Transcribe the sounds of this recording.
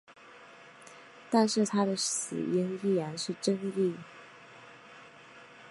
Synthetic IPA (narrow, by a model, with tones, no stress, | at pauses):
t̪a˥˧nʂɻ̩˥˩t̪ʰa˥d̪ə˨s̩˨˩i˥ŋi˥˩jɛ˧˥nʂɻ̩˥˩ʈ͡ʂə˥ŋli˥˩